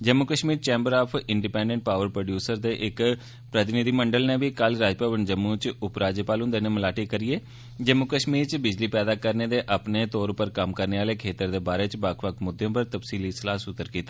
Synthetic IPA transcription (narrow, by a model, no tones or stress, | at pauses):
d͡ʒəmːukəʃmiːɾt͡ʃɛ̃ːmbəɾaːpʰɪɳɖipɛ̃ːɳɖəɳʈ̚paːʋəɾpɾoːɖjuːsəɾd̪eːʔɪk | pɾət̪ɪnɪd̪iːməɳɖəlneːʋiːkəlɾaːd͡ʒpaːʋənd͡ʒəmːuːt͡ʃʊpɾaːd͡ʒəpaːlʊ̃nd̪eːnẽːməlaːʈiːkəɾieː | d͡ʒəmːukəʃmiːɾt͡ʃbɪd͡ʒliːpɛːd̪aːkəɾneːd̪eːʔəpneːt̪ɔːɾpəɾkəmkəɾneːaːleːkʰeːt̪əɾd̪eːbaːɾeːt͡ʃbakʰʋəkʰmʊd̪ːeõːpəɾt̪əpsiːliːsəlaːsʊt̪ːəɾkiːt̪aː